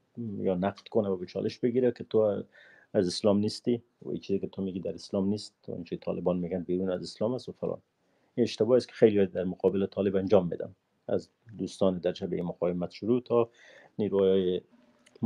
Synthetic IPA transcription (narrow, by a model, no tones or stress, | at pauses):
jɔnaqd̪̥kʊnawabɪt͡ʃʰɔ̰lʔɪʃbɪɡiɾakɪt̪o | azɪslɔmnist̪i | wa̰ḭt͡ʃizekɪt̪ʰomeɡid̪aɾɪslɔmnist̪̚ʊ̰nt͡ʃit̪ʰɒ̰lɪbɔnmeɡanbiɾunazɪslɔmasʊfaɾɔ̰n | iɪʃt̪ɪbɔɪskɪ̥xejlibɔjd̪d̪aɾmʊqɔbɪlɪt̪ʰɔlɪband͡ʒɒmːḛd̪a̰m | a̰z | d̪ust̪ɔnɪd̪aɾʃabeimʊqɑwɪmat̪ʃʊɾut̪ʰɔ | niɾujɑjɪ